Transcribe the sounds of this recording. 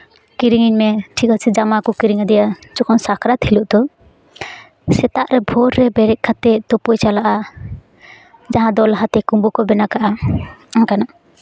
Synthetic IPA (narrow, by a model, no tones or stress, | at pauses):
kiɾiŋiɲmɛʈʰikasɛd͡ʒamakɔkiɾiŋad̪ɛjad͡ʒɔkɔnsakʰɾat̪ʰiluʔd̪ɔ | sɛt̪aʔɾɛbʱɔɾːɛbɛɾɛʔ̚kʰat̪ɛt̪ɔpɔjt͡ʃalaʔa | d͡ʒaɦãd̪ɔlɦat̪ɛkumbukɔbɛnakaʔaaŋkana